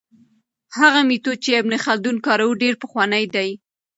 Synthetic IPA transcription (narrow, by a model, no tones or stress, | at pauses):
haɣamit̪ot͡ʃeabnexald̪unkɑɾawuɖeɾpəxwɑnəjd̪aj